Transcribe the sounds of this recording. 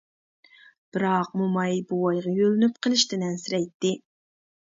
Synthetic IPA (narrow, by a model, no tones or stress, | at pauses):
b̥ɪɾɑq̚mumɑjbuwɑjʁɑjølynyp̚qʰəlˠɪʃt̪ɪnɛnsɪɾɛjt̪ːɪ